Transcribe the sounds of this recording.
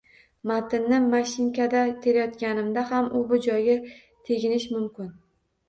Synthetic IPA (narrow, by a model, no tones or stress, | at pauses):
mat̪ɪnːɪmaʃɪŋkʲad̪at̪ʰe̞ɾajɒt̪kʲanɪmd̪ahamʊbʊd͡ʒɒjɡʲa | t̪ʰe̞ɡʲɪnɪʃmʊmkʲɪn